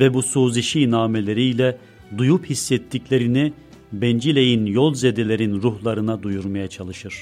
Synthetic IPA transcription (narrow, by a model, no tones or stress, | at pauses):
vɛbusuːziʃinaːmelʲe̞ɾiːlʲɛ | d̪ujuphisːɛt̪ʰːiclʲeɾini | bɛnd͡ʒilʲe̞jinjolˠzed̪elʲe̞ɾinɾuhlˠaɾɯnad̪ujuɾmajat͡ʃʰalˠɯʃɯɾ̥